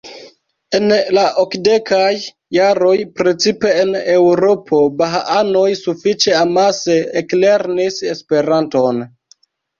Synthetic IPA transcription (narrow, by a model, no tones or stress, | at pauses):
e̞nlaʔokde̞kajː | aɾo̞jpɾe̞t͡sipe̞ene̞wɾo̞pʰo̞baɦaano̞jsufit͡ʃe̞amaseekle̞ɾnisespe̞ɾanto̞n